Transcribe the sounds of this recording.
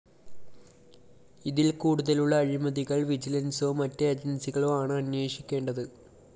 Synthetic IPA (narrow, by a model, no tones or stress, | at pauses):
iðilkuːɽuðɐluɭːɐːɻimɐðiɣɐɭʋid͡ʑilɐnsoːmɐtːeɐd͡ʑɐnsiɣɐɭoːaːɳɨɐnweːʂikʲːe̞ːɳɖɐðɨ